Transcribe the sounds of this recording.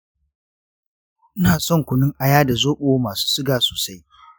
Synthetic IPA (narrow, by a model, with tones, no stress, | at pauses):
ʔɪ˦naː˨sɔ˦˨ŋkʷʊ˨nɪ˦ŋʔa˨jaː˦da˨zoː˦ɓoː˦maː˨su̥ː˦sɪ˦ɡaː˨soː˨sa˦j